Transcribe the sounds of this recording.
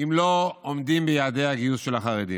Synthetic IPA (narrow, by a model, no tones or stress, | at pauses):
imlo̞omdimbejaːde̞aɡiusʃe̞laχaʁedḭ